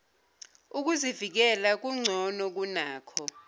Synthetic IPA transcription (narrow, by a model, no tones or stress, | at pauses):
uk̬uzivik̬ɛlak̬uŋ͡ǀʱɔnɔk̬unaːkʰɔ